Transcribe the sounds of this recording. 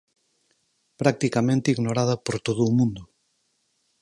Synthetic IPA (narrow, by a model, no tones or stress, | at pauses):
pɾak̚t̪ikamẽnt̪iɣnoɾað̞ɐpoɾt̪oðuːmũnd̪ʊ